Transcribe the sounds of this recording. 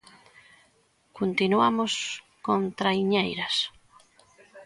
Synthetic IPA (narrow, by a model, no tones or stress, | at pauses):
kunt̪inuamos | kont̪ɾajɲejɾɐs